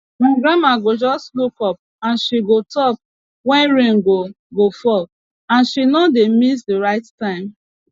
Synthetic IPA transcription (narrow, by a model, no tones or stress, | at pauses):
maɡɾamaɡod͡ʒɔstlukɔp̚ | ãnʃiɡotɔp̚ | wɛ̃nɹẽŋɡo | ɡofɔ | ãnʃinɔdemis̬deɹaɪttãɪ̃m